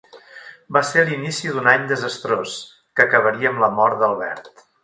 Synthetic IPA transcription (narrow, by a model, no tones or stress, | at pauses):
baseɾlinisiðunaɲd̪əzəst̪ɾos | kəkəβəɾiəːmləmɔɾt̪d̪əlˠβɛ̰ɾt̪